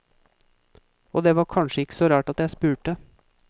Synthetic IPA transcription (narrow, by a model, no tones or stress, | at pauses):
ʔoːd̪eːʋɑːɾkʰɑnʃəɪkə̥sɔɾɑːʈɑt̪jæɪspʉːʈə